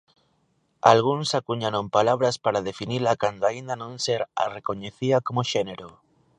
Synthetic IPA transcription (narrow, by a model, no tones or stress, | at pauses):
a̰lɣ̞unsakuɲaɾompalaβ̞ɾaspaɾað̞efinilakand̪oaind̪anõnseɾa̰rekoɲeθiakomoʃeneɾo